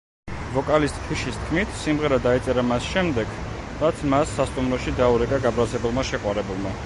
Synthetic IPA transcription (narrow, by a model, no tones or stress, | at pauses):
vɔkʼalist̪ʼt̪ʰiʃist̪̚ʰkʰmit̪ʰsimʁɛɾad̪ait̪sʼɛɾamasʃɛmd̪ɛɡ | ɾat̪sʰmasːast̪ʼumɾɔʃid̪auɾɛkʼaɡabɾazɛbulˠmaʃɛqʼwaɾɛbulˠma